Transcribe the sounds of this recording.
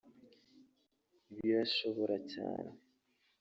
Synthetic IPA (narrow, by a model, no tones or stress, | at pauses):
iβjoaʃoβo̞ɾʔaca̰ːne